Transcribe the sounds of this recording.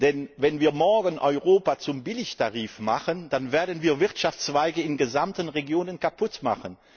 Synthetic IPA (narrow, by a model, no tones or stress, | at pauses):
d̥ɛnvɛnviːɐmɔɐɡənʔɔʏʁoːpat͡sʊmbɪlɪçtʰaʁiːfmaχənd̥anveːɐdənviːɐvɪʁtʃaft͡sv̥aɪɡəɪnɡəzamtənʁeɡjoːnənkʰapʰʊtma̰χən